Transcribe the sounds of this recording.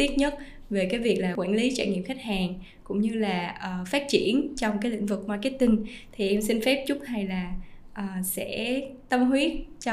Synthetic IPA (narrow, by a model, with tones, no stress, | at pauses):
t̪i˦˥t̚ɲə˦˥t̚ | ve˨˩kaː˨˦jvi˨˩ək̚laː˨˩kwa̰ː˧˩nli˨˦t͡ɕa̰ː˧˩ɲḭ˧˨əmxa˦˥jk̟̚haː˨˩ŋ | kʊ̰˧˥ŋ͡mɲɨ˧laː˨˩ʔəː˨˩faː˦˥t̚t͡ɕḭ˧˩ənt͡ɕɔ˧wŋ͡mkaː˨˦jlḭ˧˥ŋ̟vɨ˨˩k̚ma˧ki˦˥t̪ï˧ŋt̪ʰi˨˩ʔɛ˧msi˧nfɛ˦˥p̚t͡ɕʊ˦˥t̚ha˧jlaː˨˩ʔəː˨˩sɛ̰˧˥t̪ə˧mhwi˨˦ət̚t͡ɕ